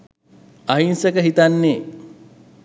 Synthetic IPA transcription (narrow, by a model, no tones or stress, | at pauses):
aɦinsəkəɦit̪anːeː